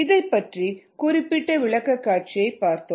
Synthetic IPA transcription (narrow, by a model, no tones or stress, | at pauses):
ɪðɐɪpːɐʈrikʊrɪpːɪʈːɐʋɪɭɐkːɐkːaːʈ̚t͡ʃɪjɐɪpːaːɾt̪o